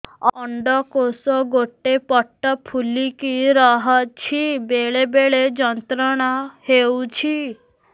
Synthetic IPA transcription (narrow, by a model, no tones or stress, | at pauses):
ɔɳɖɔkosɔɡoʈepɔʈːɔpʰulikiɾɔɦɔt͡ʃʰibeɭebeɭed͡ʒɔnt̪ɾɔɽ̃ahewt͡ʃʰi